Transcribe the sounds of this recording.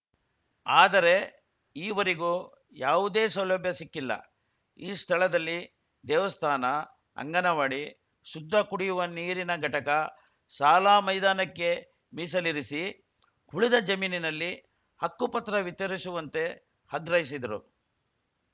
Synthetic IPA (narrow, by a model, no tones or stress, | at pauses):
aːd̪ɐɾe̞ | iːʋɐɾiɡu | jaːʋud̪eːsɐwlɐbjɐsikːilːɐ̰ | iːst̪ʰɐɭɐd̪ɐlːi | d̪ɛːʋɐst̪ʰaːnɐ | ɐ̰ŋɡɐnɐʋaːɽi | sud̪ʱːɐkuɽijuʋɐniːɾinɐɡʱɐʈɐkɐ | saːlaːmɐjd̪aːnɐkːe̞ | miːsɐliɾisi | huɭid̪ɐd͡ʒɐmiːninɐlːi | hɐkːupɐt̪ɾɐʋit̪ːɐɾisuʋɐnt̪e̞ | hɐɡɾɐɦjisid̪ɐɾṵ